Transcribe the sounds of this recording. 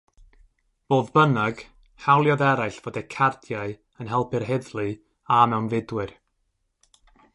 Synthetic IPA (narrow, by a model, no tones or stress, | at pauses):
v̥oːðbənaɡ̥ | hawlˠjɔðɛɾajɬv̥oːdɛkʰard̥jaɨ | ənɦɛlˠpʰɪrɦɛðlˠɨ | amɛwnvɪdwɨr